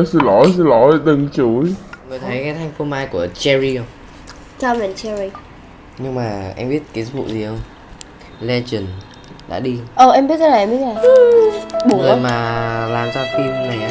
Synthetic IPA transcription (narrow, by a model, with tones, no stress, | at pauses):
sɨ˧˩lɔ˨˦jsɨ˧˦lɔ˨˦jɗ̪ɨ˨˩ŋt͡ɕu˨˦jŋɨ˨˩jt̪ʰə˨˦jkaː˨˦jt̪ʰa˧jŋ̟fo˧maː˧jku˧˩ət͡ɕɛ˧ɹi˧ə˧˩wŋ͡m | t͡ɕɔ˧mɛ˨˩nt͡ɕɛ˧ɹi˧ | ɲɨ˧ŋmaː˨˩ʔa˧ŋmɓi˦˥t̚kaː˨˦zɓṵ˧˨zi˨˩hə˧wŋ͡m | lɛ˧t͡ɕi˨˩n | ɗa̰ː˧˥ɗi˧ʔəː˨˩ʔɛ˧mɓi˦˥ət̚a˨˧˩n˨˩˨ɛ˧mɓi˦˥na˨˩˧ɓo˨˩ŋəː˨˩maː˨˩laː˨˩mzaː˧fi˧mna˨˩ŋ